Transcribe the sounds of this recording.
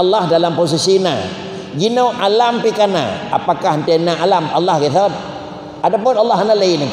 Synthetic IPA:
lːahdalampos̬isina̰ | ɡinowʔalampikana̰a̰pakahənt̪ianaʔalamalːɑhɡiθaat̪̚ | adapʊnalːɑhanalaini

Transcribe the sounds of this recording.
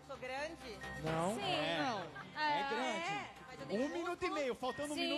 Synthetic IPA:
oɡɾɐ̃d͡ʒɪnɐ̃w̃ĩwɛnɐ̃w̃ɛɡɾɐ̃d͡ʒɪ | ũmĩnut̪ʊimejʊfawˠt̪ɐ̃ñd̪ʊ̃ũmĩu

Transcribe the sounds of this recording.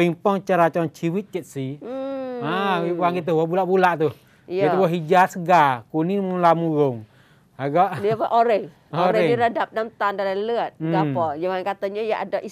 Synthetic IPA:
impɔŋt͡ʃaɾat͡ʃɔnt͡ʃiwit̪̚t͡ʃət̪̚si | aipaŋɡit̪uhwɔbulaʔbulaʔt̪uh | it̪ubaɦid͡ʒasəɡakunimulamuɣʊŋ | aɡɔʔniapaʔoɾɛh | oɾɛɛniɾadap̚namt̪andalalələət̪̚ɡapɔd͡ʒaŋankat̪aɲajaʔadaʔi

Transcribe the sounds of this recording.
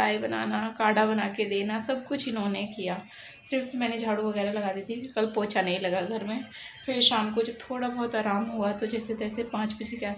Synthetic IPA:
aːibɐna̰ːnakaːɖabɐnaːked̪eːnasɐb̚kʊt͡ʃʰɪnɦõːnekijaː | sɪɾfmɛ̃ːned͡ʒʱaːɽuʋɐɣɛːɾalɐɡaːd̪iːt̪ʰikɐlpoːt͡ʃanɐɦĩlɐɡaɡʱɐɾmẽ | pʰɪɾʃaːmkod͡ʒɐb̚t̪ʰoːɽabɔːt̪aːɾaːmɦuat̪od͡ʒɛːset̪ɛːsepãːt͡ʃbɐd͡ʒʱekeaːs

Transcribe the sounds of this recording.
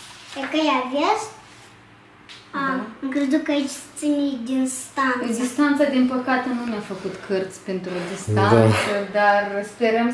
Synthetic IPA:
ekəjavjas | aɨŋkɾezukəait͡ʃʲt̪sinid̪inst̪and̪ist̪ant̪sad̪inpəkat̪enuneafəkut̪kʰərt̪sʲpent̪ɾod̪ist̪ansəd̪arspeɾəm

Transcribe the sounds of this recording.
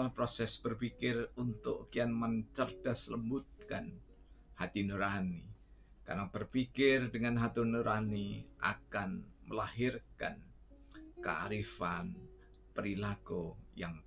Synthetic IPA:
lpɾosɛsb̥ərpikɪrunt̪ʊ̰ʔkianmənt͡ʃərd̥asələmbut̪̚kan | hat̪inuɾani | ka̰rob̥ərpikɪrdəŋanɦat̪unuɾaniʔa̰kanməlaɦɪrka̰n | ka̰ʔa̰ɾifan | pəɾilaɡ̥ɔjaŋ

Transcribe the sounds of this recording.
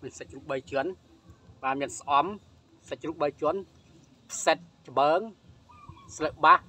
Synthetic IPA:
mɨsəc̚ruːp̚ɓəjt͡ɕŭən | ɓaːnmiənsʔɑm | səc̚ruːp̚ɓəjt͡ɕŭən | pʰsət̪̚t͡ɕəɓəːŋ | sləʔɓah

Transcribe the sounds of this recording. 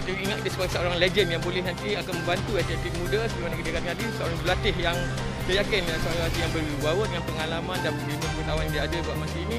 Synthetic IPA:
kit̪əiŋat̪̚dəsəbaɡasəoɾaŋled͡ʒənjaŋbolɛhnant̪iakanmə̃mbant̪uat̪it̪ik̚mũdasəbimanakit̪əkat̪iŋadisəo̰ɾaŋd͡ʒəlat̪ɪɦjaŋ | t̪əjakɪnəsəajaat̪ijaŋbəriwawət̪̚əŋanpəŋalamãndanimunkət̪awanidaadəbuaʔmat̪iːnĩ

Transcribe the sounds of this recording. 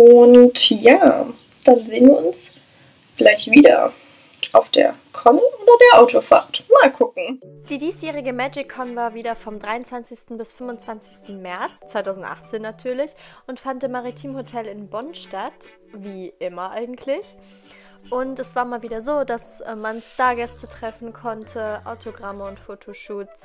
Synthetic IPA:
ʔʊntjaː | d̥anzeːənviːɐʊns | ɡ̥laɪçv̥iːdɐ̰ | ʔaʊfd̥ḛːɐ | kʰɔnʔoːdɐdeːɐʔaʊtofa̰ɐtmaːlkʰʊkŋ̩ | d̥iːdiːsjɛːʁ̞ɪɡəmɛd͡ʒɪkʰːɔnvaːɐviːdɐfɔmdʁaɪʊnt͡sv̥ant͡sɪçstn̩bɪsfʏmʊnt͡sv̥ant͡sɪçstn̩mɛɐt͡st͡sv̥aɪtʰaʊzn̩tʔa̰χt͡seːnːatʰyːɐlɪçʔʊntfantɪmːaʁitʰiːmhotʰɛlɪnbɔnʃtat | viːʔɪmɐʔaɪɡŋ̩tʰlɪç | ʔʊntɛsv̥aːɐmaːlviːdɐzoːdasɛmanstaːɐɡɛstətʁ̥ɛfn̩kʰɔntʰəʔaʊtʰoɡʁaməʊntfoːtʰoʃuːt͡s

